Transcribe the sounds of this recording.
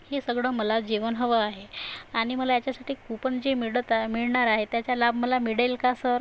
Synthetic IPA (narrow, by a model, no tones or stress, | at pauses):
hesəɡɭəːməlad͡ʑiʋənɦəʋəaɦeaɽ̃iməlajat͡ɕjasaʈiːkupənd͡ʑemiɽət̪miɭɳaɾaɦet̪jat͡ɕjalabməlamiɽalkasəɾ